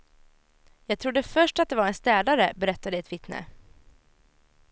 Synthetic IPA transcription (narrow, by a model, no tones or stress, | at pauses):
jɑːɡ̚t̪ʰɾʊd̪ːəfœʂʈat̪̚d̪ɛvaɾɛnst̪ɛːd̪aɾəbɛɾɛt̪ːad̪ɛɛt̪vɪt̪nə̰